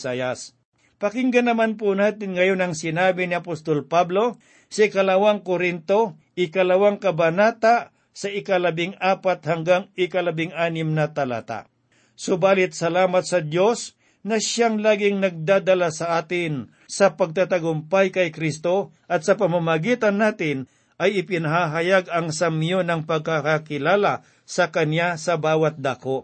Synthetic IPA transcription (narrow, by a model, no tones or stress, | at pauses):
ajas | pɐkɪŋɡɐnɐmanp̬ʊnaːt̪ɪnŋɐjonɐŋsɪnaːbɪnɪɐpost̪olpablo̞ | sɐɪkɐlɐwaŋkoɾɪnt̪o̞ | ʔɪkɐlɐwaŋkɐbɐnaːt̪a | sɐʔɪkɐlɐbɪŋaːpat̪̚hɐŋɡaŋɪkɐlɐbɪŋʔaːnɪmnɐt̪ɐla̰ːt̪a̰ | sʊbaːlɪt̪̚sɐlaːmɐt̪̚sɐd̪jo̞s | nɐʃaŋlaːɡɪŋnɐɡ̚d̪aːd̪ɐlasɐʔaːt̪ɪn | sɐpɐɡ̚t̪at̪aɡʊmpajkɐjkɾist̪o | ʔɐt̪sɐpɐmamɐɡiːt̪ɐnːaːt̪ɪn | ʔɐjɪpɪnɐɦaɦɐjaɡɐŋsɐmjonɐŋpɐɡ̚kakakɪlaːla | sɐkɐnjasɐbaːwɐt̪̚d̪akoʔ